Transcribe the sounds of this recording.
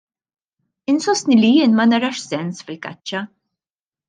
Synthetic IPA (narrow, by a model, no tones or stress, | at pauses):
ɪnsɔst̪nilijɪːnmɐnɐɾɐʃsɛnsfɪlkɐ̰t͡ʃːɐ